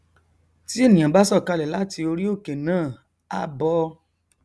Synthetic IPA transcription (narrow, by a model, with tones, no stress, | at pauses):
ti˦e˦˨nĩ˨ã˨ba˦sɔ˦˨ka˧lɛ˨la˦ti˧o˧ɾi˦o˦˨ke˨nãː˦˨ | a˦bɔ˧